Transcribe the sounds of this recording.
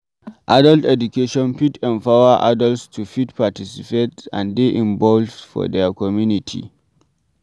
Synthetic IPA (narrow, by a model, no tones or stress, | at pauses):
ʔadɐltʔɛdʊkeʃɔnɸitɛmɸawaʔadɐlstʰuɸitpatisɪ̥petʔa̰ndeʔɪmbɔlvfɔ̰dɛkɔmjunɪtʰḭ